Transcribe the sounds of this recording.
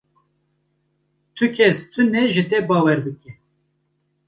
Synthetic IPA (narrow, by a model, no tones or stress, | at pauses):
t̪ʰɨkʲʰɛst̪ʰɨnɛʒɨt̪ɛbɑːwɛɾb̪ɨkɛ